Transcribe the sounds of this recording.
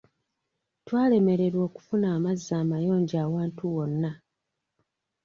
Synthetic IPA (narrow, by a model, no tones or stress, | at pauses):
twaːle̞me̞ɾe̞ɾwo̞ːku̥funaːmazːaːmajo̞ːɲɟaːwaːntuwo̞nːa